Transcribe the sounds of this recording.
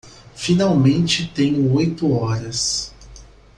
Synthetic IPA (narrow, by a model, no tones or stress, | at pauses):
finawmẽnt͡ʃɪt̪ẽjʊojt̪ʊɔɾɐs